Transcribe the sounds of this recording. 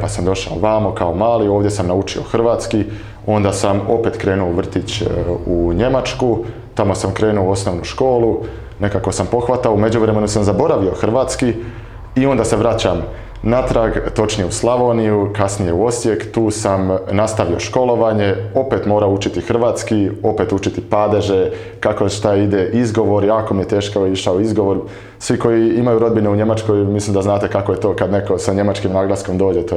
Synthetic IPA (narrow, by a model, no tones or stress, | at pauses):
pasamd̪o̞ʃa̰oʋaːmokao̞maːlio̞ːʋd̪je̞samnaut͡ʃio̞̰xr̩ʋaːt̪ski | o̞nd̪asamo̞pe̞ːt̪kɾe̞ːnuoʋr̩t̪it͡ɕuɲe̞mat͡ʃku | t̪amo̞samkɾe̞ːnuoo̞snoːʋnuʃko̞ːlˠu | ne̞kako̞sampo̞xʋat̪aoume̞d͡ʑuʋɾe̞me̞nusamzabo̞ɾaʋio̞xr̩ʋaːt̪ski | io̞nd̪ase̞ʋɾat͡ɕam | nat̪ɾaɡt̪o̞t͡ʃnijeuslˠaʋo̞nijukasnije̞uo̞sje̞kt̪uːsamnast̪aʋio̞ʃko̞lo̞ʋaːɲe̞o̞pet̪moːɾaut͡ʃit̪ixr̩ʋaːt̪skio̞pe̞ːt̪ut͡ʃit̪ipad̪e̞ʒe | kako̞ʃt̪aid̪eʔizɡo̞ʋo̞ɾjaːko̞mijet̪e̞ːʃkaoiʃaoizɡo̞ʋo̞ɾ | sʋiko̞jiimajuɾo̞d̪bine̞uɲe̞mat͡ʃko̞jmislˠimd̪aznaːt̪e̞kakoje̞t̪o̞ːkad̪ne̞ko̞saɲe̞mat͡ʃkimnaːɡlˠasko̞md̪o̞ːd͡ʒe̞t̪o